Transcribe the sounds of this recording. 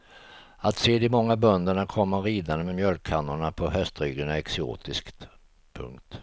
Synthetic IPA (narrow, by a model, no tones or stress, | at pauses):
at̪seːd̪ɪmɔŋːabœnd̪əɳakʰɔmːəɾiːd̪and̪əmɛmjœlkʰːanːʊɳapʰɔhœst̪ɾyːɡəɳaɛksɪo̰ːt̪ɪskt̪ | pʰɵ̰ŋkt̪